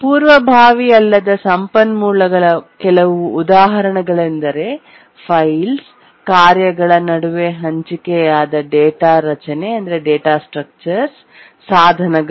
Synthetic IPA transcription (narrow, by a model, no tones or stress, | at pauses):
puːɾʋɐbʱaːʋiɐlːɐd̪ɐsɐmpɐnmuːlɐɡɐɭɐkɛlɐʋuːd̪aːɦɐɾɐɳɐɡɐɭend̪ɐɾe̞ | pʰɐjls | kaːɾjɐɡɐɭɐnɐɽuʋe̞ɦɐɲt͡ʃikɛjaːd̪ɐɖeːʈaːɾɐt͡ʃɐne̞ɐnd̪ɐɾeɖeːʈaːsʈɾɐk̚t͡ʃɐɾsː | aːd̪ʱɐnɐɡ